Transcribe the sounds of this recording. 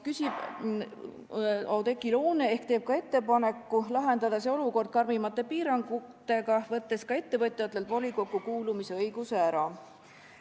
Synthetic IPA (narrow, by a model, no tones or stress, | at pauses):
kysib̥ | ɑwd̪e̞kːˑiloːneehkt̪e̞ːb̥̚kɑe̞t̪ːe̞pɑne̞kˑːulɑɦe̞nd̪ɑd̪ɑse̞o̞luko̞rd̪̚kɑrmimɑt̪ːˑe̞piːɾɑŋɡ̥ut̪ːˑe̞ɡ̥ɑvɤt̪ˑːe̞skɑe̞t̪ːe̞vɤt̪ʲːˑjɑt̪lːelt̪vo̞liko̞kːˑukuːlumise̞ɤjɡ̥useæɾɑ